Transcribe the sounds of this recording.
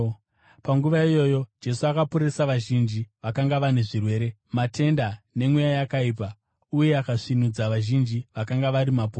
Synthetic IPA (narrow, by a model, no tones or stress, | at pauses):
paŋɡuʋaijo̞jo̞d͡ʒe̞suakapuɾesaʋaʒind͡ʒiʋakaŋɡaʋane̞ʐirwe̞ːɾe̞ | mate̞ndane̞mwejajakaiːp̬a | uje̞akaʂinud͡zaʋaʒind͡ʒiʋakaŋɡaʋaɾimapoː